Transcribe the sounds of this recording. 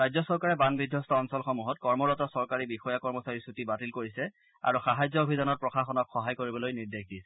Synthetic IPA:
ɹajzɔsɔɹkaɹɛbanbidʱːɔstɔːnsɔlxɔmuɦɔtkɔɹmɔɹɔtɔsɔɹkaɹibixɔjakɔɹmɔsaɹisutibatilkoɹisɛ | a̰ɹuxaɦajzɔobʱidanɔt̚pɹɔxaxɔnɔkxɔɦajkoɹibɔlojniɹdexdisɛ̥

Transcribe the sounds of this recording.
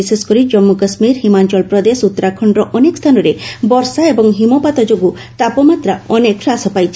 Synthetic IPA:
iseskɔɾid͡ʒɔmːukəsmiɾɦimant͡ʃɔlpɾɔd̪esut̪ːɔɾakʰɔɳɖɾɔʔɔnekɔst̪ʰanɔɾebɔɾsaebɔŋɦimɔpat̪ɔd͡ʒoɡu | t̪apɔmat̪ɾaɔnekʰɾasɔpajt͡ʃʰi̥

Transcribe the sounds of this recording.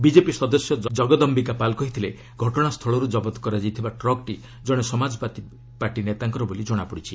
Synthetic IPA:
bid͡ʒepisɔd̪ɔsjɔd͡ʒɔɡɔd̪ɔmbikapalkɔɦit̪ʰile | ɡʱɔʈɔɽ̃ast̪ʰɔɭɔɾud͡ʒɔbɔt̪ɔ̥kɔɾad͡ʒajt̪ʰibaʈɾɔɡ̚ʈi | d͡ʒɔɽ̃esɔmad͡ʒɔpat̪i | paɾʈinet̪aŋkɔɾɔbolid͡ʒɔɽ̃apɔɽit͡ʃʰi

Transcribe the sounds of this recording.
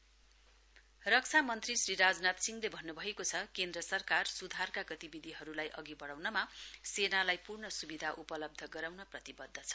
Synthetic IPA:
rʌk̚t͡sʰamʌnt̪risriɾad͡znat̪siŋlebʱʌnːubʱʌekot͡sʰʌkend̪rʌsʌrkarsud̪ʱarkaɡʌt̪ibid̪ʱiɦʌɾulajʔʌɡibʌɽawnʌmasenalajpurnʌsubid̪ʱaʔupʌlʌb̚d̪ʱʌɡʌɾawnʌprʌt̪ibʌd̪ʱːʌt͡sʰʌ̥

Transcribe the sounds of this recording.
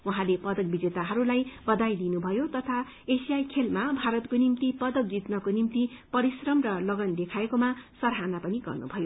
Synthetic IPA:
wuɦãlepʌd̪ʌk̚bid͡zet̪aɦʌɾulajbʌd̪ajd̪inubʱʌjot̪ʌt̪ʰa | esijajkʰelmabʱaɾʌt̪konimt̪ipʌd̪ʌk̚d͡zit̪nʌkonimt̪ipʌɾisrʌmrʌlʌɡʌnd̪ekʰaekomasʌɾɦanapʌniɡʌ̰rnṵbʱʌjo

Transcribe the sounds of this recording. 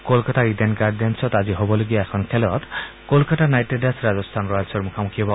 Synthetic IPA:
kolkat̪aɾid̪enɡaɾd̪ensɔt̪ad͡ʒiɦobɔleɡiaɛkʰɔnkʰelɔt̪ | kolkat̪anajʈeɖasɾad͡ʒɔst̪ʰanɾɔjɔlsɔɾmukʰamukʰiɔbɔ

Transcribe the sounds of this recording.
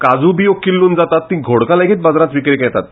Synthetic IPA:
kad͡zubiːokːilːuːnd͡zat̪at̪ːĩɡʱoɽkalaɡiːt̪̚bad͡zɾãt͡sʋikɾekɛt̪at̪

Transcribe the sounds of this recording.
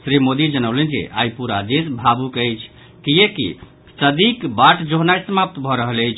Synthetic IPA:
sɾimod̪id͡ʒənəwlend͡ʒḛʔa̰jpuɾad̪esbʱabukəjt͡ʃʰ | kiekḭ | səd̪ikbaʈd͡ʒoɦnajsəmap̚t̪bʱɔɾəɦələjt͡ʃʰ

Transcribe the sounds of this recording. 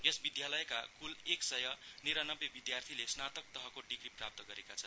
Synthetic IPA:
esbid̪jalʌjkakuleksʌjʌniɾanʌbebid̪jart̪ʰilesnat̪ʌk̚t̪ʌɦʌkoɖikriprap̚t̪ʌɡʌɾekat͡sʰʌn

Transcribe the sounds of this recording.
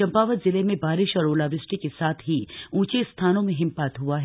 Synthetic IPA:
ɐ̃mpaːʋət̪zɪlemẽbaːɾɪʃɔːɾoːlaːʋɪsʈikesaːt̪ʰɦiũːt͡ʃest̪ʰaːnõmẽɦɪ̃mpaːt̪ɦuaɦɛ

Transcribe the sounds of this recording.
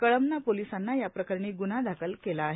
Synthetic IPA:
kəɭəmnapolisanːajapɾəkəɾɳiːɡunad̪ʱakʰəlkelaːɦe

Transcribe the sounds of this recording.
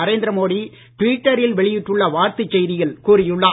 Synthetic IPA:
ɐɾeːnd̪ɪɾɐmoːɽi | ʈʋiːʈːɐɾɪlʋɛɭɪjɪʈːɯɭːɐʋaːɾt̪ɯt͡ʃːɛjðɪɣɐɭkuːrɪjɯɭːaː

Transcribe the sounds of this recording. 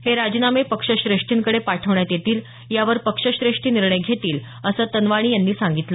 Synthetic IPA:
heɾad͡ʑnamepəkʂəɕɾeʂʈiːŋkəɽepaʈʰəʋɳjat̪jet̪iːl | jaʋəɾpəkʂəɕɾeʂʈiːniɾɳəjɡʱet̪iːl | əsəːt̪ənʋaɽ̃iːjanːiːsaŋɡit̪lə

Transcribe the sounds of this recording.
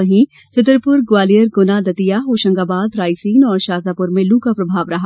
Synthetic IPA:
ɐɦĩ | t͡ʃɐt̪ɾpʊɾɡwaːlijəɾɡʊnad̪ɐt̪ijaɦoːʃə̃ŋɡaːbaːd̪ɾaːjsiːnɔːɾʃaːzaːpʊɾmẽluːkapɾɐbʱaːʋɾɐɦa

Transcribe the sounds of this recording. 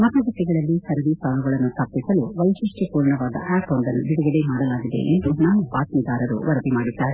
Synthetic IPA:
mɐk̪ɐɡɐt̪ːiɡɐɭɐlːisɐɾɐɾisaːlɐɡɐɭɐnːut̪ʰɐpːisɐluʋɐjsiʂʈipuːɾɳɐʋaːd̪ɐ̰ʔɛːpond̪ɐnːub̪iɽɐɡɐd̪emaːɽɐlaːɡid̪e̞̰ʔḛnd̪unaːʋupaːʈ̪nid̪aːɾɐɾṵʋɐɾɐd̪imaːɽid̪ːaːɾe

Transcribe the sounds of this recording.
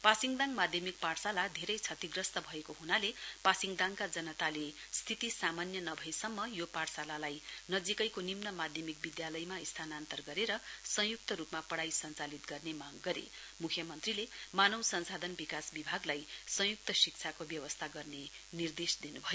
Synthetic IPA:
pasiŋɡd̪aŋmad̪ʱjʌmik̚parsalad̪ʱeɾʌjt͡sʰʌt̪iɡrʌst̪ʌbʱʌekoɦunalepasiŋɡd̪ãŋkad͡zʌnʌt̪ale | st̪ʰit̪isamanjʌnʌbʱʌesʌmːʌjoparsalalajnʌd͡zikʌjkonimnʌmad̪ʱjʌmik̚bid̪jalʌjmaist̪ʰanant̪ʌrɡʌɾeɾʌsʌ̃juk̚t̪ʌɾupmapʌɽajsʌnt͡salit̪̚ɡʌrnemaɡːʌɾḛ | mukʰjʌmʌnt̪rilemanʌwsʌnsad̪ʱʌnbikasbibʱaɡlajsʌ̃juk̚t̪ʌsik̚t͡sʰakobjʌwʌst̪ʰaɡʌrne | nird̪esd̪inubʱʌjo

